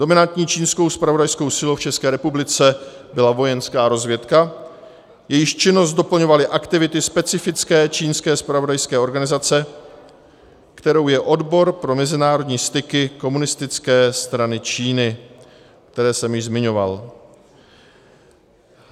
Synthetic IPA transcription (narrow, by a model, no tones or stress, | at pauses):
do̞mɪnant̪ɲiːt͡ʃiːnsko̞wspɾavo̞dajsko̞wsɪlowft͡ʃɛskɛːɾɛpublɪt͡sɛbɪlavo̞jɛnskaːɾo̞zvjɛt̪ka | jɛjɪʃt͡ʃɪnost̪do̞pl̩ɲo̞valɪʔakt̪ɪvɪt̪ɪspɛt͡sɪfɪt͡skɛːt͡ʃiːnskɛːspɾavo̞dajskɛːo̞ɾɡanɪzat͡sɛ | kt̪ɛɾo̞wjɛʔo̞dbo̞ɾpɾo̞mɛzɪnaːɾo̞dɲiːst̪ɪkɪko̞munɪst̪ɪt͡skɛːst̪ɾanɪt͡ʃiːnɪ | k̚t̪ɛɾɛːsɛmjɪʒzmɪɲo̞va̰l